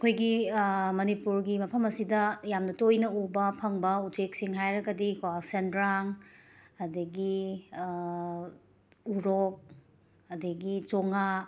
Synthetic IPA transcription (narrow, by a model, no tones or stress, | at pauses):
ɐkʰojɡimɐnipuɾɡimɐpʰɐmɐsidɐjamnɐtojnɐubɐpʰɐŋbɐut͡ʃek̚siŋɦajɾɐɡɐdikʰasendɾaŋ | ɐdɐɡi | uɾok̚ | ɐdɐɡit͡ʃoŋa